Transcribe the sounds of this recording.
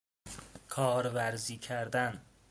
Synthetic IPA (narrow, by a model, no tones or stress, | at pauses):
kʰɒːɾvæɾziːcʰæɾd̪æn